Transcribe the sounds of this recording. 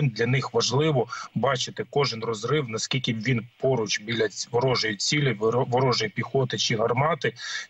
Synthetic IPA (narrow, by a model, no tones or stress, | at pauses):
nd̪lʲɐnɪxʋɐʒlˠɪʋɔbɑt͡ʃɪt̪ɪkɔʒɪnrɔzrɪwnɐskʲilʲkʲɪʋʲinpɔɾʊt͡ʃbʲilʲɐʋɔɾɔʒʊjʊt͡sʲilʲɪʋɔɾɔʒʊjɛpʲixɔt̪ɪt͡ʃɪɦɐrmɑt̪ɪ